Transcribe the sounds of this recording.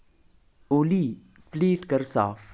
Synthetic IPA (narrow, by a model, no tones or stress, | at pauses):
oːliː | fliːʈkəɾsaːf